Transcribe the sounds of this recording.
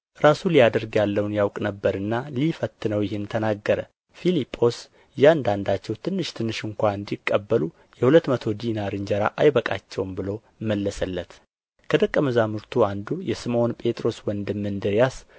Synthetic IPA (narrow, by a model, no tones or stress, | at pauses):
ʔɨɾasulijad̪əɾɡjalːəwnjawkʼnəbːəɾɨnːalifət̪ːɨnəwjɪhɪnt̪ʰənaɡːəɾə | filipʼːo̞s | jɪand̪and̪at͡ʃːɛwt̪ʰɨnːɨʃt̪ʰɨnːɨʃɨŋkʷaɨnd̪ikʼːəbːəlu | jɛhulət̪ːmət̪ʰo̞d̪inaɾɨɲd͡ʒəɾa̰ʔajbəkʼa̰t͡ʃːɛwmbɨlo̞ | mːəlːəsəlːət̪ | kʰəd̪əkʼːəməzamɨɾt̪ʰuand̪ujɛsɨmo̞npʼe̞t̪ʼɾo̞swɔnd̪ɨmːɨnd̪ɨɾjas